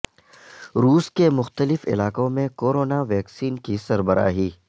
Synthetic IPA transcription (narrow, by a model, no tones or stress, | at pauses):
ɾuːskemʊxt̪əlɪfɪ̰laːkõmẽkoːɾoːnaʋɛːksiːnkisɐɾbəɾa̰ːɦiː